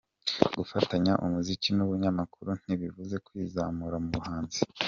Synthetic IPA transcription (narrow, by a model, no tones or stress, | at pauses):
ɡufataɲaʔṵmuzicinuβuɲamakuɾun̥iβivuze̞kwiːzamuɾamuβuhaːnzi